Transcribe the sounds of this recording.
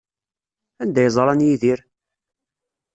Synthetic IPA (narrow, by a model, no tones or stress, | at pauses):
ænd̪æjzˤɾˤɑnjiðiɾ